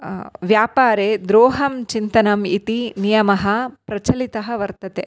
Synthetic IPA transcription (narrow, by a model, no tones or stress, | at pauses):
ʋjaːpaːɾed̪ɾoːɦɐmt͡ʃint̪ɐnɐmit̪inijɐmɐɦɐpɾɐt͡ʃɐlit̪ɐɦɐʋɐɾt̪ɐt̪e